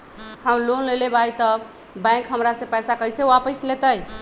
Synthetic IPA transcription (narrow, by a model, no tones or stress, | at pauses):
həmlonlelebajt̪ə | bɛ̃kɦəmɾasẽpəjsakəjseuapəjslet̪əj